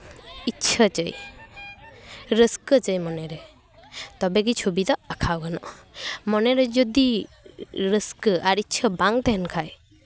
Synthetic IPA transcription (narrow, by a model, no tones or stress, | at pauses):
itːt͡ʃʰat͡ʃə̰j | ɾəskət͡ʃəjmɔnɛɾɛ | t̪ɔbɛk̬it͡ʃʰobid̪ɔakʰawɡanɔʔmɔnɛɾɛd͡ʒɔd̪i | ɾəskəʔaɾit͡ʃʰɔbaŋt̪ɛɦɛnkʰaj